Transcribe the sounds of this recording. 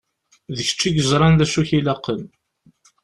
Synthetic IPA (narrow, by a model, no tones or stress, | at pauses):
ðəçə̥t͡ʃːiʝəzˤɾˤɑnðæʃuçilɑqːəm